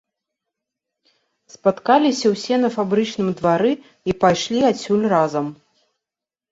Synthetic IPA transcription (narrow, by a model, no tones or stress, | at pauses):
spat̪kalʲisʲɐwsʲɛnɐfabɾɨt͡ʂnɨmd̪vaɾɨ | ipajʂlʲiat͡sʲulʲrazɐm